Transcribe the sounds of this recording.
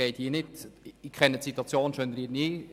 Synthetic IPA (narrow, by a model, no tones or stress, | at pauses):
ɛɪtiːnɪtikʰɛnːətsit̪uɑt͡sjoːnʃønɾiːɾniː